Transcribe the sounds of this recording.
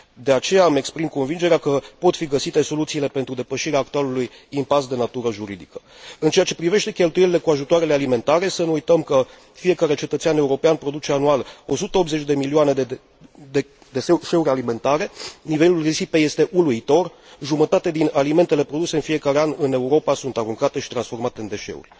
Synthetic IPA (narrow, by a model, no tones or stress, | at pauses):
d̪e̞at͡ʃe̞jame̞kspɾimko̞nvind͡ʒe̞ɾeakəpo̞t̪fiɡəsit̪e̞so̞lut̪siːle̞pe̞nt̪ɾud̪e̞pəʃiɾeaːk̚t̪ualuluj | impasd̪e̞nat̪uɾəʒuɾid̪ikə̥ | ɨnt͡ʃe̞jat͡ʃe̞pɾive̞ʃt̪ekʲe̞lt̪uje̞lile̞kuaʒut̪oaɾe̞lealime̞nt̪aɾe̞sənuujt̪əmkə | fije̞kaɾe̞t͡ʃe̞t̪ət̪siane̞uɾo̞peanpɾo̞d̪ut͡ʃe̞anualo̞sut̪əo̞pze̞t͡ʃʲd̪e̞milioane̞e | d̪e | d̪e̞eʃe̞uɾʲalime̞nt̪aɾe̞nive̞lulrisipe̞je̞st̪e̞ʔuluit̪o̞r | ʒumət̪at̪ed̪inalime̞nt̪e̞le̞pɾo̞d̪use̞ɨnfije̞kaɾe̞anʲɨne̞uɾo̞pasunt̪aɾuŋkat̪e̞ʃi̥t̪ɾansfo̞rmat̪e̞ɨnd̪e̞ʃe̞̰ṵrʲ